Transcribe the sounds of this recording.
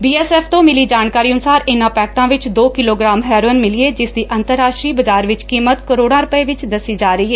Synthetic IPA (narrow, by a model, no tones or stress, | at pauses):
biːɛːsɛːpʰt̪õːmɪliːd͡ʒaːnkaːɾiːənʊsaːɾɪnãːpɛːk̚ʈãːʋɪt͡ʃd̪oːkɪloːɡɾãːmɦɛːɾoənmɪliːeːd͡ʒɪsd̪iːʔənt̪əɾːaːʃʈɾiːbəd͡ʒaːɾʋɪt͡ʃkiːmət̪kəɾoːɽãːɾʊpəeːʋɪt͡ʃd̪əsːiːd͡ʒaːɾəiːɦɛː